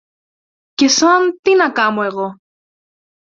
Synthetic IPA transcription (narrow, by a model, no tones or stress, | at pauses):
kesoamt̪inakamoeɣo